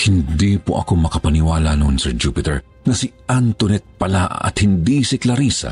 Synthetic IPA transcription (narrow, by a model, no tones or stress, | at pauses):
hɪnd̪ipoʔɐ̰komɐkɐpɐnɪwaːlɐnonsɛɹd͡ʒuːpɪt̪ɛɹ | nɐsiʔant̪ʊnɛt̪̚pɐlaɐ̰t̪̚hɪnd̪isɪklɐɾiːsɐ̰